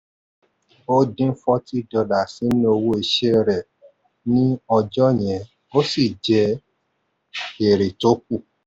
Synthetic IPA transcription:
o˦dĩ˦fɔ˦ti˦dɔ˧la˨sĩ˨˦nĩ˦o˧wo˦e˧ʃe˦ɾɛ˨ | nĩ˦ɔ˧d͡ʒɔ˦j̃ɛ̃˨˦ | o˦si˦˨d͡ʒɛ˧˦ | e˨ɾe˨to˨˦k̚u˦˨

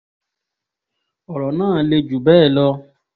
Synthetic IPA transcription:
ɔ˨ɾɔ˨nãː˦˨le˧d͡ʒu˨bɛː˦˨lɔ˧

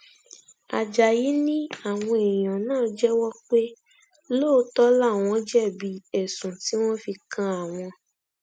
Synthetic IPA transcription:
a˨d͡ʒa˨ji˨˦nĩ˦a˦˨w̃ɔ̃˧e˨j̃ã˨nãː˦˨d͡ʒɛ˦wɔ˦k͡pe˦ | lo˦tɔ˦la˦˨w̃ɔ̃˧˦d͡ʒɛ˦˨bi˨˦ɛ˨sũ˨ti˨˦w̃ɔ̃˦fi˧kã˦a˨w̃ɔ̃˧

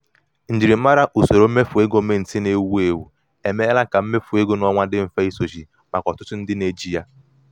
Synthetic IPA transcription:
n̩˨d͡ʒi˨ɾi˨˦a˦ɾa˦ʔu˨so˨ɾo˦me˦fu˨e˦ɡo˦me˦n̩˨tɪ˦ne˦wu˦e˨wu˨ | e˨me˦a˦la˦ka˨m̩˦me˦fu˨e˦ɡo˦nɔ˦ŋʷa˦dɪ˦m̩˨fa˦i˦so˨ʒi˨ | ma˨kɔ˨tʊ˦tʊ˦n̩˦dɪ˦ne˨d͡ʒi˦ja˦

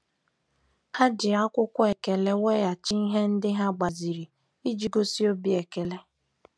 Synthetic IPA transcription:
ha˦d͡ʒɪ˨a˦kʷʊ˦kʷʊ˦e˨ke˨le˦we˦ja˨t͡ʃɪ˦i˦ɦe˦n̩˦dɪ˦ɦa˦ɡ͡ba˨zi˨ɾi˨ | i˦d͡ʒi˦ɡo˦si˦o˦bi˦e˨ke˨le˦

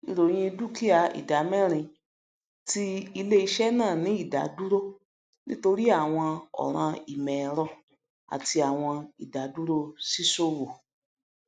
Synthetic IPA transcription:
i˨ɾo˨j̃ĩ˧du˦ki˦a˨ḭ˨da˨˦mɛ̃˦˨ɾ̃ĩ˧ | ti˧i˧le˦i˧ʃɛ˦nãː˦˨nĩ˨˦i˦˨da̰˨˦du˦ɾo˦ | nĩ˦to˧ɾi˦a˦˨w̃ɔ̃˧ɔ̰˨ɾ̃ã˧i˨mɛ̃˨˧ɾɔ˦ | a̰˨ti˧a˨w̃ɔ̃˧i˨da˨˦du˦ɾo˦si˦so˦wo˨

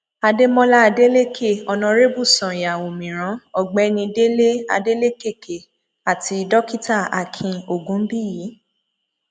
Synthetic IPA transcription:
a˧de˦mɔ̃˦la˦a˧de˦le˦ke˦˨ɔ˧nã˧ɾe˦bu˦˨sã˨ja˨o˨mĩ˨ɾ̃ã˨˦ɔ˦˨ɡ͡bɛ˨˦nĩ˧de˦le˦a̰˧de˦le˦ke˦˨ke˨ | a˨ti˧dɔ˦ki˦ta˦˨a̰˨kʰĩ˧o˨ɡũ˨˦m̩˦bi˦˨jiː˨˦

